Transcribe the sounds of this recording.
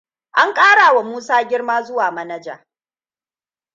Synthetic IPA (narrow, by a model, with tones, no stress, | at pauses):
ʔa˦ŋkʼaː˦ɽaː˨wa˨muː˦saː˦ɡʲɪ˦ɽmaː˦zʊ˦waː˨mɐ˦nɐ˦d͡ʒa̰ː˨